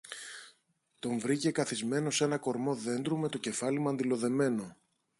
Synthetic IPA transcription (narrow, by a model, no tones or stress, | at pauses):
t̪o̞ɱvɾice̞kɐθizme̞no̞se̞nɐko̞ɾmo̞ðe̞nd̪ɾume̞t̪o̞ce̞fɐlimɐnd̪ilo̞ðe̞me̞no̞